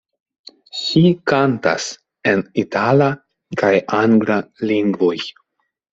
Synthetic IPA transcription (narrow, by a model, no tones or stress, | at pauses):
ʃikanta̰s | enitala | kajʔaŋɡlaliŋɡvoj